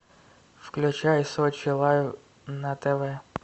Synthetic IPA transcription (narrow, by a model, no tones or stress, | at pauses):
fklʲʊt͡ʃɑjsɔt͡ʃɪlˠɑjw | nɐt̪ɛʋɛ